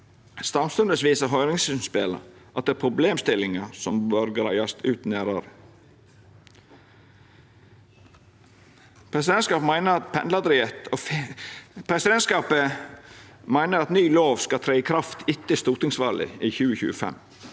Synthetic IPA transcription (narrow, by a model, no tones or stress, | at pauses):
st̪ɑmst̪ʉnd̪əsʋiːsəɦœʏɾɪŋsn̩speːlə̰ʔɑt̪̚d̪ɛæːpʰɾʊbleːmst̪ɪlɪŋɑsɔmbøːɾɡɾæɪɑst̪ʉːt̪næːɾəɾə | pʰɾɛsɪd̪ɛnskɑːpmæɪnəɾɑt̪̚pʰɛnlɑd̪ɾɪɛt̪oː | pʰɾɛsɪd̪ɛnskɑːpə | mæɪnəɾɑt̪nyːloːʋskɑt̪ʰɾeːɪkʰɾɑft̪ʰɪt̪ːəst̪uːt̪ɪŋsʋɑ̰ːlɪ̰iːçʉːəçʉ̰ːəfɛ̰m